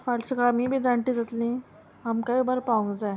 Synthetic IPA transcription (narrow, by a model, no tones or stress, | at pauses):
falsəkɽamiːbʱiːd͡zaɳʈ̪id͡zat̪lĩ | amkaibəɾpaʋũŋɡd͡za